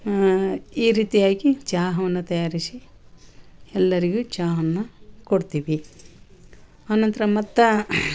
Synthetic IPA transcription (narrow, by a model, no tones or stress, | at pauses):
iːɾiːt̪ijaːɡit͡ʃaːɦɐʋɐnːut̪ɐjaːɾisi | ɛlːɐɾiɡud͡ʒaːɦɐnːukoɽt̪iːʋi | aːnɐnt̪ɐɾɐmɐt̪ːɐ